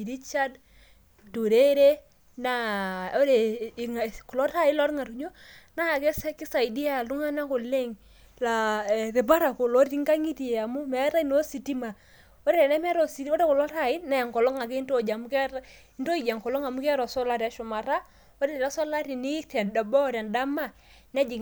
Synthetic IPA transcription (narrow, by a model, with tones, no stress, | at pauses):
i˨ɾi˦t͡ʃa˦d | du˨ɾe˦ɾe˦ | na˦o˦ɾe˨ŋa˨ko˨lɔ˦ta˦˨i˦lɔ˦ɾŋa˨ɾu˨ɲo˦na˦˨kɛ˦sɛ˦kɪ˦sa˨i˨di˦a˦˨lu˦ŋa˦na˦ko˨le˦ŋ | la˨ðe˨ba˦ɾa˨ko˨lo˦ɾi˦ŋɡa˦ŋi˦ti˨e˨a˨mu˦mɛ˨˦ɾa˦i˦no˦si˨ti˦ma˨ | o˦ɾe˦ɛ˨nɛ˦mɛ˦ɾɔ˨si˨˦o˦ɾe˦ko˨lɔ˦ta˨ɪ˦na˨ja˨ŋkɔ˨lɔ˦ŋa˨ke˦nto˦˨d͡ʒa˨mu˦k | nto˦i˨d͡ʒa˨ŋkɔ˨lɔ˦ŋa˨mu˦kɛ˦ɾɔ˨sɔ˦la˦ɾia˨˦ʃʊ˨ma˨ɾa˦ | o˦ɾe˦e˨ɾa˦sɔ˦la˦ɾi˨ni˦ta˨nda˨bɔ˦˨ɾa˨nda˦ma˦˨ | nɛ˦d͡ʒi˨